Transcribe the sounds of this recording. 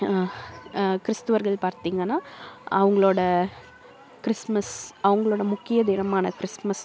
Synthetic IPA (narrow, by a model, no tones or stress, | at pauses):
kɪɾɪst̪ɐʋɐɾɣɐɭpaːɾt̪iːŋɡɐnːaːɐʋɐŋɡɐɭoːɽɐ | kɪɾɪsmɐsɐʋɐŋɡɐɭoːɽɐmʊkːɪjɐd̪iːɾɐmaːnɐkɪɾɪsmɐs